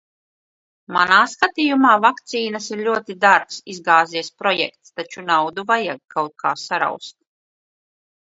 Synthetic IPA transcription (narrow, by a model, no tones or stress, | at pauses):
ma̰naːskat̪ijumaːvakt̪siːnasiɾlʲuɔt̪id̪aɾksizɡaːziɛspɾɔjɛ̰kt̪st̪at͡ʃunawd̪uvajaɡ̚kawt̪̚kʰaːsaɾa̰wst̪̚